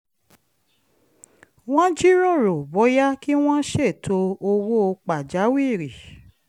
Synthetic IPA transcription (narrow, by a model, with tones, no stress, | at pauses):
w̃ɔ̃˦d͡ʒi˦ɾɔ̃˦˨ɾo˨bɔ˨˦ja˦ki˦w̃ɔ̃˦ʃe˦˨tʰo˧o˧wo˦o˧k͡pa˨d͡ʒa˨˦wi˦˨ɾi˨